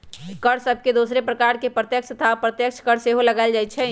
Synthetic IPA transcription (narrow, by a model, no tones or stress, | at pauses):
kəɾsəb̚ʱked̪usɾepɾəkaɾkepɾət̪jəkt͡ʃʰət̪ʰapɾət̪jəkt͡ʃʰkəɾseɦoləɡald͡ʒajt͡ʃʰɛ